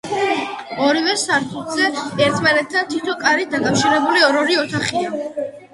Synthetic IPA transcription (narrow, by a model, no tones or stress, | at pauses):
ɔɾivɛsaɾt̪ʰulˠzɛɛɾt̪ʰmanɛt̪̚ʰd̪ant̪ʰit̪ʰɔkʼaɾid̪akʼafʃiɾɛbuliɔɾɔɾiɔt̪ʰaχia